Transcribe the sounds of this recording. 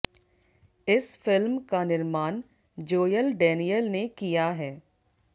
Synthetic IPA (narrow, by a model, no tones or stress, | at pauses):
ɪsfɪlmkanɪɾmaːn | d͡ʒoːjəlɖɛːnijəlnekijaɦɛː